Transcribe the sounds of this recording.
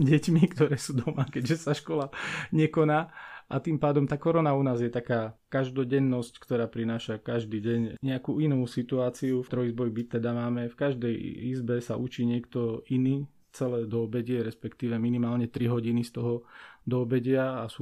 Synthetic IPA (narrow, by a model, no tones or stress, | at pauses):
ɟɛcmikt̪ɔɾɛːsuːd̪ɔmakɛɟʒɛsaʃkɔlaɲɛkɔnaːʔat̪impaːd̪ɔmt̪aːkɔɾɔnaunaːzjɛt̪akaːkaʒd̪ɔɟɛnːɔsckt̪ɔɾaːpɾinaːʃakaʒd̪iːɟɛɲɲɛakuinuːsit̪uaːt͡siuft̪ɾɔizbɔjbit̪ːɛd̪amaːmɛfkaʒd̪ɛjḭzbɛsaʔut͡ʃiːɲɪɛkt̪ɔiniː | t͡sɛlɛːd̪ɔːbɛɟɪɛɾɛspɛkt̪iːʋɛminimaːlɲɛt̪ɾiɦɔɟinist̪ɔɦɔd̪ɔːbɛɟɪaasuː